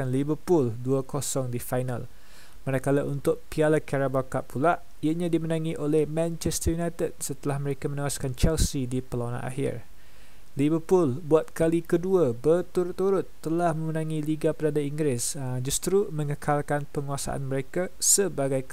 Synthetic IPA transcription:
anlibəpulduəkosɔŋdifajna̰l | maɾakalaʔunt̪ʊʔ̚pialakaɾabakaʔpʰulaʔ | iaʔɲãdimənãŋiʔolɛhmãnt͡ʃɛst̪əjunajt̪əd̚sət̪əlahməɾekamə̃newaskant͡ʃɛlsidipəlawana̰nʔa̰hɪ̰r | livəpulbuat̪̚kalikəduəbərt̪uɾʊt̪ːuɾʊt̪ːəlahmə̃mənãŋĩliɡapəɾadaiŋɡɾɪs | d͡ʒust̪ɾumə̃ŋəkʰalkanpəŋuasa̰ʔa̰nməɾekasəbaɡaj

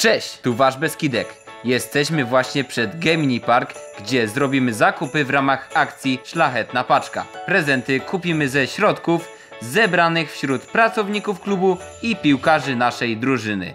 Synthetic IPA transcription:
t͡ʂɛɕt̪uvaʐbɛskʲid̪ɛkjɛst̪ɛɕmɘvwaɕɲɛpʂɛd̪ɡɛmʲɲipaɾɡɡd͡ʑɛzɾɔbʲimɘzakupɘvɾamaxakt̪sʲjiʂlaxɛt̪̚napat͡ʂka̰pɾɛzɛnt̪ɘkupʲimɘzɛɕɾɔt̪kuf | zɛbɾanɘxfɕɾut̪pɾat̪sɔvɲikufklubuipʲiwkaʐɘnaʂɛjd̪ɾuʐɘnɘ̰

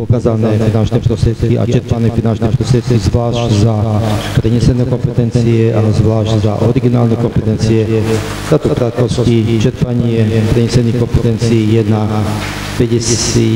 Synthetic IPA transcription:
ɔkaːzanɛfinant͡ʃnɛpɔsɛt̪kia̰t͡ʃɛɾpanɛfinant͡ʃnɛp̪ɔsɛt̪kizʋlaːʃczapɾɛɲɛsɛnɛkɔmpɛt̪ɛnt͡siɛʔazʋlaːʃcza̰ʔɔ̰ɾiɡinaːlnɛkɔmpɛt̪ɛnt͡siɛ | t̪at̪ɔpɾat̪kɔscit͡ʃɛɾpaɲɪɛpɾɛɲɛsɛnixkɔmpɛt̪ɛnt͡siːjɛd̪na | pɛɟɛsi

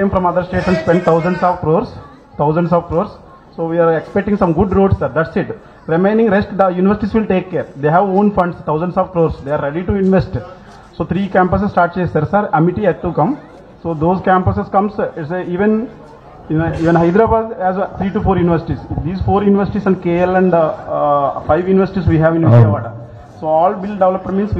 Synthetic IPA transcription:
kẽmfɾɔ̃mɐd̪əɾsʈeːʈmə̃ɳʈspẽɳɖ̚t̪ʰaʊzə̃ɳɖsɔːʋkɾoːɾs | t̪ʰaʊzə̃ɳɖsɔːʋkɾoːɾs | soːʋiaɾekspek̚ʈĩŋsɐ̃mɡʊɖɾoːɖsːɐɾd̪æʈsɪʈ | ɾimẽɪ̃nĩŋɡɾesʈd̪əjuːniʋəɾsɪʈisʋɪlʈeːkːeːɾd̪eːɦæʋõːnfɐ̃ɳɖst̪ʰaʊzə̃ɳɖsɔːʋkɾoːɾsd̪eːaːɾɾeɖiʈuĩnʋesʈ | soːt̪ʰɾiːkæ̃ːmpəs̬esːʈaːɾʈ̚t͡ʃeːsɐɾsɐɾɐmiʈiɛd̪t̪ːukɐ̃m | soːd̪oːzkæ̃ːmpɐseskɐ̃msseiːʋẽn | niːʋẽnɦɐɪd̪ɾaːbaːd̪æzt̪ʰɾiːʈufoːɾjuːniʋəɾsɪ̥ʈisd̪iːzfoːɾjuːniʋəɾsɪ̥ʈisɛ̃ɳɖkeːlɛ̃ɳɖ | faɪʋjuːniʋəɾsɪʈisʋiːɦæʋĩnʋisiʋaːʈəɾ | soːɔːlbɪlɖeʋlɐpmə̃ɳmĩnsʋ

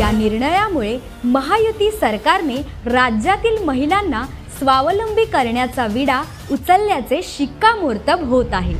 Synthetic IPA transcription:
janiɾɳəjamuɭe | məɦajut̪iːsəɾkaɾne | ɾad͡ʑjat̪iːlməɦilanːa | sʋaʋləmbʱiːkəɾɳjat͡saʋiɽa | ut͡səlːjat͡seɕikːamoɾt̪əbɦot̪aɦe

